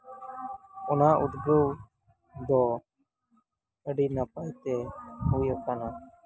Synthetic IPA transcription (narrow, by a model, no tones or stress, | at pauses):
ʊnaːʔʊd̪ɡəː | d̪oː | əɖiːnapaːit̪eːɦuːiːəkaːnaː